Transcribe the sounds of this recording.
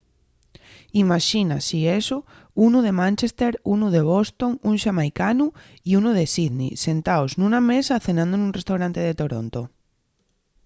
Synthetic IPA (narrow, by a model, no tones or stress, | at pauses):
imaʃinasieso | unuðe̞mãnʲt͡ʃest̪eɾunuðe̞β̞ost̪o̞ŋunʃamajkanu | iunuð̞e̞siðnḭse̞nt̪aoznũnamesaθe̞nãnd̪onũnrest̪awɾant̪eð̞e̞t̪o̞ɾo̰nt̪o